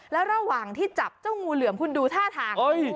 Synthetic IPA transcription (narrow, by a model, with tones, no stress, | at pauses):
lɛː˦˥wɾa˧waː˨˩ŋt̪ʰiː˥˩t͡ɕa˨˩p̚t͡ɕa˥˩wŋuː˧lɯ˨˩˦əmkʰu˧nduː˧t̪ʰaː˥˩t̪ʰaː˧ŋo˧˥j